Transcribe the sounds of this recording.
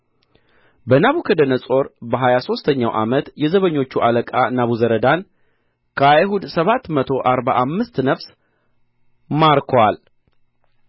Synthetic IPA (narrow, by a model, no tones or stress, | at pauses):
bənaβukʰəd̪ənəsʼo̞ɾbəɦajaso̞st̪ʰəɲːawʔa̰mət̪jɛzəβəɲːo̞t͡ʃːuʔaləkʼanaβuzəɾəd̪an | kʰəajhud̪səβat̪ːmət̪ʰo̞ʔaɾbaʔamːɨst̪nəfs | maɾkʰwal